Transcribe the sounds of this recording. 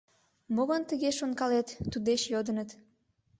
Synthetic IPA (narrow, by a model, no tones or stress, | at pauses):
moɣənt̪əɣeʃonkɑlet̪ːud̪eʃjod̪ənət̪